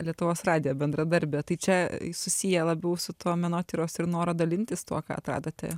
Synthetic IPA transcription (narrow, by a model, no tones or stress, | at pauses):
lʲiɛt̪ʊʋoːsrɑːd̪ʲɪjoːbʲɛnd̪ɾɐd̪ɐɾʲbʲɛt̪ɐɪt͡ʃʲɛsʊsʲijɛlˠɐbʲɛʊsʊt̪oːmʲɛnoːt̪ʲɪɾoːsɪɾnoːɾɐd̪ɐlʲɪnʲt̪ʲɪst̪ṵɔkɑ̰ːɐ̰t̪ɾɑ̰ːd̪ɐt̪ʲɛ̰